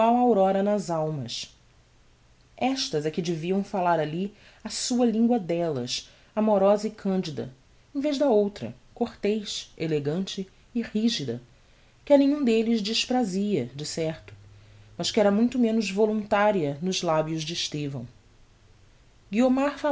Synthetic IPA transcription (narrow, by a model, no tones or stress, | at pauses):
awawɾɔɾɐnɐzawmɐs | ɛʃt̪ɐzɛkɪd͡ʒɪviɐ̃w̃falaɾali | asuɐlĩŋɡwɐd̪ɛlɐ̰s | amoɾɔzɐɪkʰɐ̃nd͡ʒid̪ɐ̰ | ẽveʒd̪ɐowt̪ɾɐ̰ | koχt̪ejʃeleɡɐ̃nt͡ʃɪː | ʁiʒid̪ɐ̰ | kɪɐnẽɲũd̪elɪzd͡ʒɪʃpɾaziɐd͡ʒɪsɛɾt̪ʊ̥mɐʃkɪɛɾɐmũj̃t̪ʊmẽnʊzvolũnt̪aɾiɐnʊzlabjʊzd͡ʒɪɪʃt̪evɐ̰̃w̃ | ɡiomaɾfa